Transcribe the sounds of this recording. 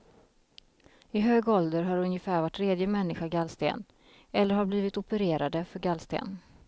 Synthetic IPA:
ɪɦøːɡɔld̪əɾɦaɾɵnjəfæːɾvaʈʰːɾeːd̪jəmɛnːɪɧaɡalst̪ḛːn | ɛlːəɾɦaɾbliːvɪt̪ʊpəɾeːɾad̪əfœɾɡalːst̪ḛːn

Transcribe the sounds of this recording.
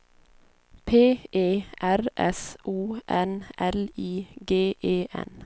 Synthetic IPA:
pʰeːʔeːʔæɾʔɛsʔuːʔɛnʔɛliːɡeːʔeːʔɛ̰n

